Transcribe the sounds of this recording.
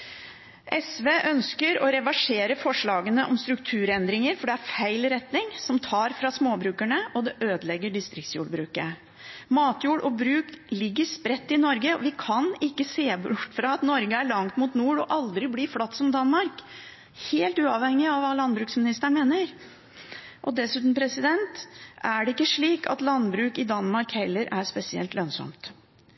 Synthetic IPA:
ʔɛsʋeːʔœnskəɾɔɾɛʋɑʂeːɾəfɔʂɭɑːɡənəʔɔmst̪ɾʉkt̪ʰʉːɾɛnd̪ɾɪŋəɾfɔɖɛæɾfæɪlɾɛt̪nɪŋsɔmt̪ʰɑːɾfɾɑsmoːbɾʉːkæɳəɔd̪ɛʔøːd̪əlɛɡːəɖɪst̪ɾɪk̚t̪sjṵːɽbɾʉːkə | mɑːt̪juːɽʔɔbɾʉːklɪɡːəɾspɾɛt̪ːɪnɔɾɡəɔ̰ʋɪkʰɑnɪkːəseːbʈfɾɑɑt̪nɔɾɡəæɭɑŋt̪mʊt̪nuːɽɔʔɑld̪ɾɪblɪflɑt̪ːsɔmd̪ɑnmɑɾk | heːlt̪ʉːɑʋhɛŋːɪɑʋɑːlɑnbɾʉːksmɪnɪst̪əɳmeːnəɾ | ʔɔd̪ɛsʉːt̪n̩pʰɾɛsɪd̪ɛnt̪ʔæɖɛɪkːəʂɭiːkʰɑ̰t̪lɑnbɾʉːkɪd̪ɑnmɑɾkhɛlːəɾʔæɾspɛsɪɛ̰lt̪lœnsɔ̰mt̪

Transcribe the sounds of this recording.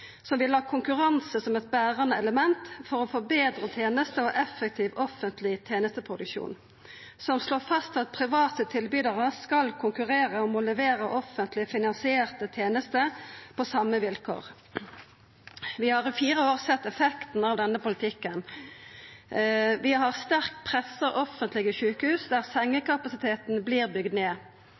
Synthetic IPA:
sɔmʋɪlɑːkʰʊŋkʉʁɑnsəsɔmɛt̪̚bæːʁɑnəɛləmɛnt̪fɔʁɔfoːbeːd̪ʁət̪ʰeːnəst̪əoʔɛfːək̚t̪ʰiːʋɔfənt̪lɪt̪ʰjeːnəst̪əpʰʁʊd̪ʉkʃṵːn | sɔmsloːfɑst̪ɑt̪̚pʰʁɪʋɑːt̪ət̪ʰɪlbyːd̪əʁəskɑlkʰʊŋkʉʁeːʁəɔmʊləʋeːɾəʔɔfənt̪lɪfɪnɑnsɪeːʁt̪ət̪ʰjeːnəst̪əpʰɔsɑmːəʋɪlkʰo̰ːʁ | ʋɪhɑʁɪfiːʁəoːʁsɛt̪ːɛfɛkt̪n̩ɑːʋd̪ɛnːəpʊlɪt̪ʰɪkːən | ʋɪɦɑʁst̪æʁkpʰʁɛsəʔɔfənt̪lɪɡəʃʉːkəhʉːsd̪æːʁsɛŋːəkɑpɑsɪt̪ʰeːt̪n̩bliːʁbʏɡd̪neː

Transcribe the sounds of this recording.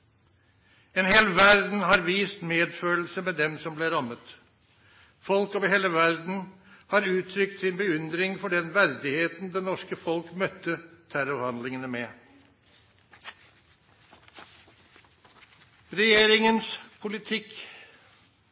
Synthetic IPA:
eːnɦeːlʋæɾd̪n̩ɦɑɾʋiːst̪meːd̪føːl̩səmɛd̪ɛmsɔmbleːɾɑmət̪ | fɔlkɔʋɦeːləʋæɾd̪n̩ | hɑɾʉːt̪ʰɾʏk̚t̪sɪnbəʉnd̪ɾɪŋfɔɖɛnʋæɾd̪ɪheːt̪n̩d̪ɛnːɔʂkəfɔlkmœt̪ːət̪ʰæɾɔhɑnd̪lɪŋənəmeː | ɾɛjeːɾɪŋənspʰʊlɪt̪ʰɪk

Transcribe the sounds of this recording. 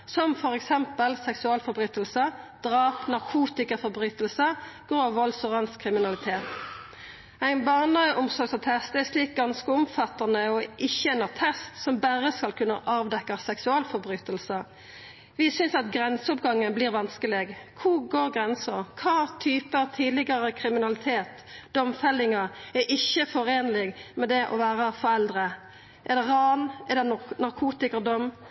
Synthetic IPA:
sɔmfɔʁɛksɛmpəlsɛksʉɑːlfɔɾbʁyːt̪əlsəd̪̥ʁɑːpnɑʁkʰuːt̪ɪkəfɔʁbʁyːt̪əlsəɡ̥oːɑʋɔlsɔʁɑnskʰʁɪmɪnɑlɪt̪ʰeːt̪ | æɪnbɑːʁnəʔʊmsɔɾɡsɔt̪ʰɛst̪æʂliːk̚ɡɑnskəʊmfɑt̪ɑnəɔʔɪçːəɛnɑʁt̪ʰɛst̪sɔmbæʁəskɑlkʰʉnːə̰ʔɑːʋd̪ɛkːɑsɛksʉɑːlfɔɾbʁyːt̪əlsə | ʋɪsʏnsɑt̪ɡɾɛnsəɔpɡɑŋːənbliːɾʋɑnskəlɪɡkʰuɡoːɾɡʁɛnsəɾkʰɑːt̪ʰyːpət̪ʰiːd̪lɪɡɑɾəkʰɾɪmɪnɑlɪt̪ʰeːt̪ | d̪̥ɔmfɛlːɪŋɑɛʔɪçːəfɔɾeːnəlɪɡmɛd̪ɛʔɔ̰ʋæːɾəfɔɾɛld̪ʁə | ʔɛd̪ɛʁɑnɛd̪ɛnnɑʁkʰuːt̪ɪkəd̪ɔm

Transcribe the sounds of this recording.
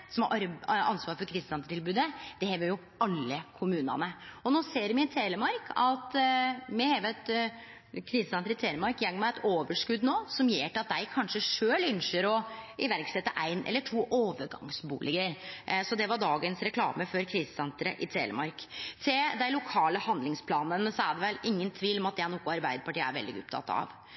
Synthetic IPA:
sɔmɾʔɑ̰nsʋɑːɾfɔɾkʰɾiːsəsɛnt̪ɾəʈ̪ʰɪlbʉːd̪əd̪̥ɛhɛːʋəɾjʊ | ɑlːəkʰʊmʉːnɑ̰nəɔnoːseːɾmɪɪt̪ʰeːləmɑɾkʰɑt̪mɛheːʋɛt̪ | kʰɾiːsəsɛnt̪ɾəɪt̪ʰeːləmɑɾkjɛŋːmɛɛt̪ʰoːʋəʂkʉd̪noːsɔmjeːʈɛɑt̪̚d̪æɪkʰɑnʂəʂøːlʏnʂəɾɔɪʋæɾksɛt̪ːəʔæɪnʔɛ̰lːəʈʰuːʔoːʋəɾɡɑ̰ŋsbṵːlɪɡəɾsɔd̪ɛʋɑɖɑːɡənsɾɛkʰlɑ̰ːməfɔɾkʰɾiːsəsɛnt̪ɾə̰ʔɪt̪ʰḛːlə̰mɑɾkt̪ʰed̪æɪlʊkʰɑːləhɑnd̪lɪŋspʰlɑːnənəsɔæɖɛʋɛlʔɪŋːənt̪ʰʋiːlɔmɑt̪̚d̪ɛnɔkːʊɑɾbæɪd̪əpɑʈiːəæ̰ɾʋɛ̰ld̪ɪɡʊ̰p̚t̪ʰɑ̰t̪ːɑ̰ʋ

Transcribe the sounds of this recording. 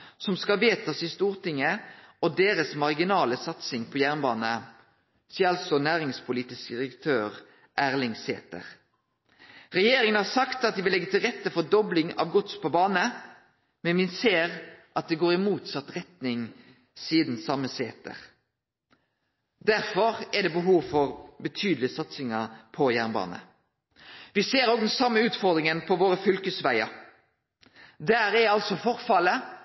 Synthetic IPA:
sɔmskɑʋeːt̪ʰɑsɪst̪uːʁt̪ɪŋːəɔd̪eːɾəsmɑʁɡɪnɑːləsɑt̪sɪŋpʰɔːjæʁnbɑːnə | siːəɑlsɔnæːʁɪŋspʰʊliːt̪ɪskd̪ɪɾəkt̪ʰøːʁ | ʔæːʁlɪŋsḛːt̪ə̰ʁ | ʁɛjeːɾɪŋənhɑːsɑkt̪ɑt̪̚d̪ɪːʋɪlɛɡːət̪ɪlʁɛt̪ːəfɔd̪ɔblɪŋɑ̰ʋɡʊt̪spʰɔbɑːnə | mɛnʋɪnseːʁʔɑt̪̚d̪ɛɡoːɾɪmuːt̪sɑt̪ɾɛt̪nɪŋ | siːd̪n̩sɑmːəseːt̪ə̰ʁ | d̪æɾfɔʁɛd̪ɛːbəɦuːʋfɔʁbət̪ʰyːd̪l̩ɪəsɑt̪sɪŋəpʰɔjæʁnbɑ̰ːnə̰ | ʋɪseːɾoːɡd̪ɛnsɑmːəʉːt̪fɔɾd̪ɾɪŋənpʰɔʋoːɾəfʏlkəsʋæɪɑ̰ | d̪æːɾɛɑlt̪sɔfɔɾfɑlə

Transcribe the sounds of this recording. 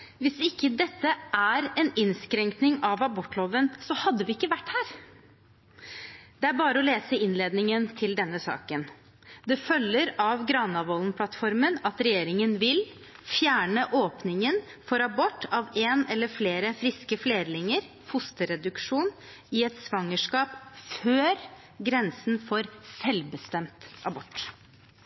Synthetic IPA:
ʋɪsɪkːəd̪ɛt̪ːəʔæɾɛnɪnskɾɛŋknɪŋɑʋɑbɔʈːloːʋənsɔhɑd̪ːəʋɪɪkːəʋæʈːhæːɾ | d̪̥ɛæɾbɑːɾəɔleːsəɪnleːd̪nɪŋənt̪ʰɪld̪ɛnːəsɑ̰ːkən | d̪ɛfœlːəɾɑʋɡɾɑnːɑʋɔːlnpʰlɑt̪fɔɾmənɑt̪ɾɛjeːɾɪŋənʋɪl | fjæːɳəʔoːpnɪŋənfɔɾɑbɔʈːɑʋeːnɛlːəɾfleːɾəfɾɪskəfleːɾlɪŋəɾ | fʊst̪əɾɛd̪ʉkʂuːn | ɪɛt̪sʋɑŋːəʂkɑːpføːɾ | ɡɾɛnsn̩fɔɾsɛlbəst̪ɛmt̪ɑbɔʈː

